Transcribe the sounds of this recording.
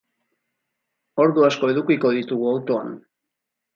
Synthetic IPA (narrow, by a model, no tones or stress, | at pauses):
o̞ɾðuasko̞e̞ðukiko̞ðit̪uɣuawt̪o̞an